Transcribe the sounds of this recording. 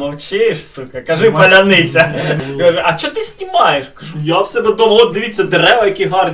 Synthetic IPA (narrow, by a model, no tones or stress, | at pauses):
mɐwt͡ʃɪʃsukɐkɐʒɪpɐlʲɐnɪt͡sʲɐɐɐt͡ʃːɔt̪ɪsʲnʲimɑjeʃkɐʒujawsɛb̪ɛd̪ɔwɦɔd̪ɪʋʲit͡sʲːɐd̪eɾɛʋɐjɐkʲiɦɑr